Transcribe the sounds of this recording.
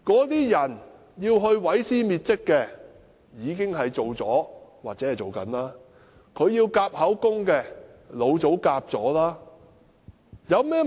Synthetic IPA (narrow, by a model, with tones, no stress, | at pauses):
kɔː˨˥t̪iː˥jɐ˨˩n | jiː˧wɦɵ˧ɥwɐ˨˥jsiː˥miː˨t̚t͡sɪ˥kːɛː˧ | jiː˨˧kɪ˥ŋɦɐ˨jt͡so˨wt͡sɔː˨˥waː˨t̚t͡sɛː˨˥hɐ˨jt͡so˨˩wkɐ̰˨˥nlaː˥ | kʰɵ˨˧ɥjiː˧wkaː˧p̚hɐ˨˥wkʊ˥ŋkɛː˧ | lo˨˧wt͡so˨˥wkaː˧p̚t͡sɔː˨˥laː˥ | jɐ˨˧wmɛː˥